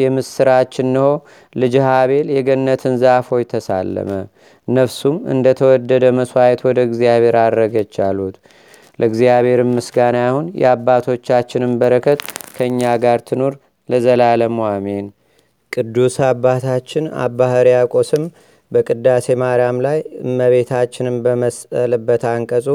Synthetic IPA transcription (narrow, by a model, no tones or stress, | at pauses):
jɛmɨsɨɾat͡ʃːɪnːɨho̞ | lɨd͡ʒhaβe̞ljɛɡənːət̪ʰɨnzafo̞jt̪ʰəsa̰lːə̰mə | nəfsumɨ̰nd̪ət̪ʰəwɔd̪ːəd̪əməswajɛt̪wɔd̪əɨɡzijaβe̞ɾad̪ɾəɡət͡ʃːalut̪ | lʔəɨɡzijaβe̞ɾɨmːɨsɡanjahunjɛ̰abːat̪ʰo̞t͡ʃːat͡ʃːɪnɨmbəɾəkʰət̪kʰəɨɲːaɡaɾt̪ʰɨnoɾ | ləzəlaləmwame̞n | kʼɨd̪ːusabːat̪ʰat͡ʃːɪna̰bahəɾijakʼo̞sɨm | bəkʼɨd̪ːase̞maɾjamlajɨmːəβe̞t̪ʰat͡ʃːɪnɨmbəməsəlɨbːət̪aŋkʼəsʼu